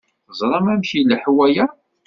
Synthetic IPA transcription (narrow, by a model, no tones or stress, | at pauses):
əzˤɾˤɑmæmçilħwæjæ